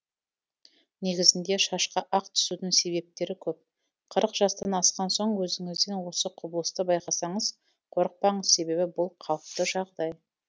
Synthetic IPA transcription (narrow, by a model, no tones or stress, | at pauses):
ne̞ɡʲɪzɪnd̪e̞ʃɑʃqɑʔɑqt̪ʰʏ̥sud̪ɪŋse̞βe̞p̚t̪e̞ɾɪkʲʰɵp̚ | qʰəɾəqʒ̥ɑst̪ɑnɑsqɑnso̞ɴwɵzɪŋɪzd̪e̞nwo̞səqʰʊbəlˠəst̪əbɑjqɑsɑɴəz | qʰo̞ɾəq̚pɑɴəzse̞be̞βɪbʊlˠqʰɑlˠəp̚t̪əʒɑʁd̪ɑj